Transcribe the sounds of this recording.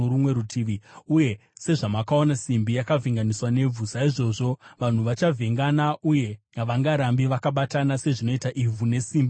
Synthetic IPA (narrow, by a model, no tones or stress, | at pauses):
oɾumwe̞ɾutʰiʋiuje̞ | se̞ʐamakao̞nasimbijakavʱiŋɡaniswane̞b͡vusaiʐo̞ʐo̞ʋan̤uʋat͡ʃavʱeŋɡanaʔuje̞ | aʋaŋɡaɾambiʋakaɓatanase̞ʐino̞itaʔivʱune̞siːmbi